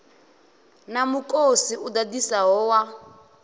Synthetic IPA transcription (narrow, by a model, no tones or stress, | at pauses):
namukʼosiud̪adisaɦɔːwa